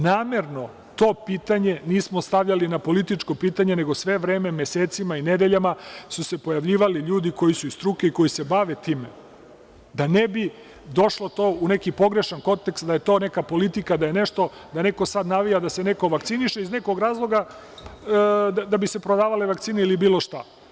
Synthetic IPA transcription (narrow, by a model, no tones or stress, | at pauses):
naːme̞ɾno̞ | t̪o̞ːpiːt̪aɲe̞niːsmost̪aʋʎalinapo̞lit̪it͡ʃko̞piːt̪aɲe̞ne̞ɡo̞sʋe̞ʋɾe̞ːme̞mjeseːt̪simained̪eʎamasuse̞pojaʋʎiːʋaliʎuːd̪iko̞jisuist̪ɾuːkeiko̞jise̞baʋe̞t̪iːme | d̪anebi | d̪o̞ʃlˠo̞t̪o̞ːune̞kipo̞ɡɾe̞ʃanko̞nt̪ekst̪d̪aje̞t̪o̞ːne̞kapo̞lit̪ikad̪aje̞ne̞ʃt̪o̞ | d̪ane̞ko̞sad̪naʋijad̪ase̞ne̞ko̞ʋakt̪siniʃeizne̞ko̞ɡɾaːzlˠo̞ɡa | ad̪abise̞pɾo̞d̪aːʋaleʋakt̪siːneilibiːlˠo̞ʃt̪a